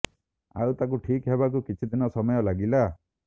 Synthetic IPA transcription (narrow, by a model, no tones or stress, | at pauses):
a̰wt̪ak̬uʈʰikɦebak̬ukit͡ʃʰid̪inɔsɔmɔjɔlaɡila